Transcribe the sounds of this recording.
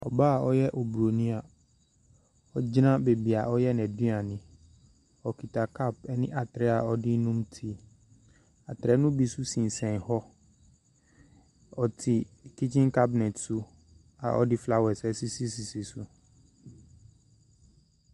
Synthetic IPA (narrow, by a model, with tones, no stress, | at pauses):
ɔ̰˨baː˦˨ɔ˦jɛ˦ʔo˨bu˨ɾo˨nĩ˦a˨ | ɔ˦d͡ʑnã˦be˨bi˨a˨ʔɔ˦jɛ˦nɛ̃˨du˦a˨nɪ̃˨ | ɔ˨ki˨ta˨kʰa˦˨p̚ɛ˦nɪ̃˦ʔa˨t̪ɾɛ˦a˨ɔ˦dɪ˦nũ˦m˦tʰi˦ | a˨tɾɛ˨˦nʊ̃˦bi˦su˦sĩ˨n˨sɛ̃˨hɔ˦ | ɔ˨tʰɪ˨ki˦t͡ɕĩ˦nka˦bnɛ˨tsu˦ | a̰˨ʔɔ̰˦dɪ˦fla˦wɛ˨sɛ˦si˦si˦si˨si˨su˦